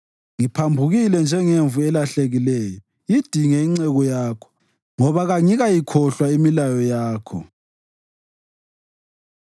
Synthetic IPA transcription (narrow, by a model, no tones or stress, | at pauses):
ŋipʰambʱuɣilɛnd͡ʒʱɛŋeɱvuɛlaɬeɣilɛːjɔ | id̥ʱiŋɛiŋ͡ǀɛɣɔjaːkʰɔ̥ | ŋɔβaɣaŋiɣajikʰɔɬwaimilajɔjaːkʰɔ̰